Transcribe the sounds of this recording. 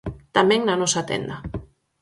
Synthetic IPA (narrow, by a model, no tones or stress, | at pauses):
t̪amɛ̃ŋnanɔsat̪ḛnd̪a